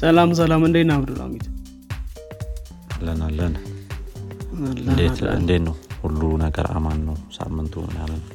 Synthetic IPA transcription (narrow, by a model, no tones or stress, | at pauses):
səlams̬əlamɨnd̪əjnaβd̪ula̰mit̪ʰ | alːənalːən | ɨnd̪et̪ɨ̰nd̪et̪nəwhulːunəɡə̰ɾa̰manːəwsa̰mːɨnt̪ʰṵnalːənw